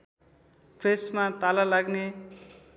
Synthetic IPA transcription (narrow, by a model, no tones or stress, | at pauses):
presmat̪alalaɡne